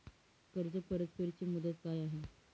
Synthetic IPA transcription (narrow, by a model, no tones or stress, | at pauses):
kəɾd͡zəpəɾət̪pəɾt͡ɕiːmud̪ət̪kajaɦe